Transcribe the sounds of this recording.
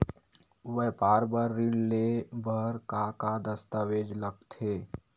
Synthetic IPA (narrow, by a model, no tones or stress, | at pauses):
ʋəɦpaːɾbəɾːiɽlebʱəɾkakad̪əst̪aʋed͡ʒləɡ̚t̪ʰe